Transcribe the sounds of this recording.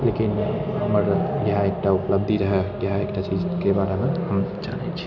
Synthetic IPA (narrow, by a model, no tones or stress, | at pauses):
lekinɦəməɾɡɦaek̚ʈaupləb̚d̪ʱiɾəɦɛɡɦaekʈat͡ʃid͡ʒkebaɾemehəmt͡ʃanet͡ʃʰi̥